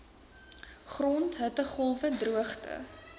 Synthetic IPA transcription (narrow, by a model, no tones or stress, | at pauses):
χrɔntɦətəχɔlˠvədruəχtə̰